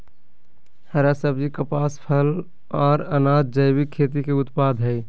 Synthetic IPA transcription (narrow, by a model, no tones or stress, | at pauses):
həɾasəbd͡ʒikəpaːspʰəl | ɔːɾənad̪̚d͡ʒəɪbikʰːet̪̬ikeʊt̪pad̪ʱɦɛɪ